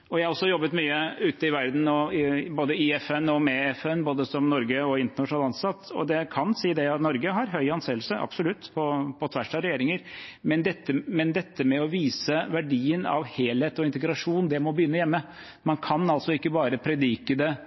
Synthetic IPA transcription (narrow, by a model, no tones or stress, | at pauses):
ɔjæɪhɑɾɔsːɔjɔbːət̪myːəʉːt̪əɪʋæɾd̪n̩ɔɪboːd̪əɪɛfɛnɔmɛɛfɛnːboːd̪əsɔmnɔɾɡəɔɪnt̪əɳɑʂn̩ɑːlɑnsɑt̪ːɔ̰d̪ɛkʰɑnsiːd̪ɛɑt̪nɔɾɡəɦɑɾɦœʏɑnseːlsəʔɑ̰b̥sɔlʉt̪ːpʰɔpʰɔt̪ʰʋæʂʈɑɾɛjeːɾɪŋəɾmɛnd̪ɛt̪ːəmɛnd̪ɛt̪ːəmɛɔʋiːsəʋæɖiːənɑ̰ʋheːlheːt̪ɔɪnt̪əɡɾɑʂuːnd̪ɛmɔbəjʏnːəjɛmːə | mɑnkʰɑnɑlsɔɪkːəbɑːɾəpʰɾɛd̪iːkəd̪ɛ